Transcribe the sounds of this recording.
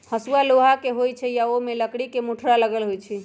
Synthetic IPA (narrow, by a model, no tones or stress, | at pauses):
həsualoɦakeɦojt͡ʃʰɛjaomeləkɽikemuʈʰɾaləɡəlɦojt͡ʃʰi